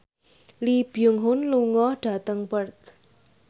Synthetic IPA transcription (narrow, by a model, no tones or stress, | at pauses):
lib̥ijʊŋɦʊnluŋɔhɖ̥a̤t̪əŋpərt̪